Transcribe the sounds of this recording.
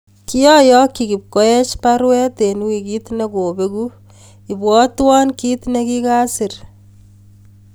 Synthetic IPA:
ki˦jɔ˦jɔ˦kːiki˨p̚ko˦e˦t͡ʃpaɾwɛ˦te˨n˦wi˨ki˦tne˦ko˨beku | i˨bwɔ˦twɔ˦nki˦tnekika˦si˨r

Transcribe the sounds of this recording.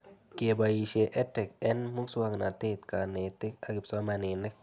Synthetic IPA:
ke˨ba˨ji˨ʃe˨ʔɛ˦tɛ˨kɛ˦nmu˦ksu˦a˦ŋna˨t̪e˦t̪ka˨ne˨t̪ɪ˦ka˨ɡɪ˨psa˦ma˨ne˨nɛ˦k̚

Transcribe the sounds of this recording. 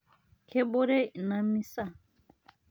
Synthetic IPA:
kʰe˦ɓo˦ɾe˦˨nã˨mĩ˦sa˦˨

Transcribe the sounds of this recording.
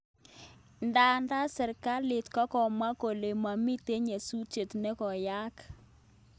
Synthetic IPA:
nda˨nda˦sɛ˨ɾka˦lɪ˨tkɔ˦kɔ˨ma˦ko˨le˨ma˨mi˦te˦ɲe˨su˦t͡ʃe˨tnɛ˦kɔ˨ja˦k

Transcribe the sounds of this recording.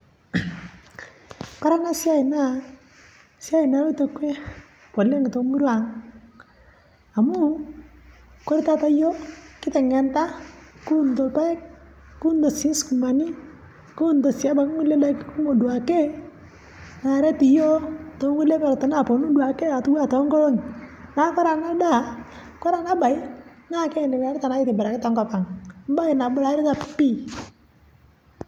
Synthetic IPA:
kɔ˦ɾa˦na˦sja˦i˨na˦˨ | sja˦i˨na˨˦ɾu˦tɔ˨˦kwɛ˦ | pɔ˨lɛ˦ŋ˨tɔ˨˦ŋu˦ɾwa˨ŋ | a˨mu˦ | kɔ˦ɾi˦ta˦ta˦jɔ˦kɪ˦tɛ˨ŋɛ˨nta˦ku˦ntɔ˨pa˦jk | ku˦ndɔ˨si˦nsku˨ma˨ni˦ | ku˦nto˨sja˦ba˨kŋu˦le˦la˦kku˦mo˨du˨a˨ke˦ | na˨ɾɛ˦ti˨jo˦to˨˦ŋu˦le˦pɛ˨ɾtɔ˨na˦˨po˨nu˦du˨a˨ke˦a˨tu˦wa˦tɔ˨˦ŋɡɔ˦o˦n˨na˨˦kɔ˦ɾa˨na˦da˦˨ | kɔ˦ɾa˨na˦ba˨jɪ˦na˦kɛ˦˨ni˨wa˨˦ɾɪ˦ta˨na˨˦ɪ˦tɪ˨bɪ˨ɾa˨kɪ˦ta˨ŋkɔ˨pa˨ŋm̩˦ba˦i˨na˨bʊ˨ɾa˨˦ɾɪ˦ta˨pi˦

